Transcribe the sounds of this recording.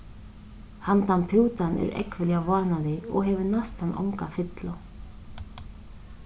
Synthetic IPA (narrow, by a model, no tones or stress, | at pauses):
hant̪anpʰuwt̪anɛ̰ɾɛ̰kvɪljavaːnaðɪɔ̰ɣɦɛvʏɾnast̪hanʔa̰wŋkafɪt̪la